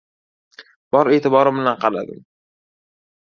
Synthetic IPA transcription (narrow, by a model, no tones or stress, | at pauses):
b̥ɒɾe̞t̪ɪbɒɾɪmbɪlanqʰɑla̰d̪ɪ̰m